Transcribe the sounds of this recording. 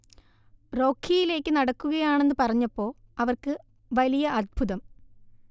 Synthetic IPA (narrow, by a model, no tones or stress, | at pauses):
ro̞ːkʰːijile̞ːkːɨnɐɽɐkːuɣɐjaːɳe̞nːɨpɐrɐɲːɐpːo̞ːɐʋɐrkɨ | ʋɐlijɐʔɐd̪̚bʱuðɐm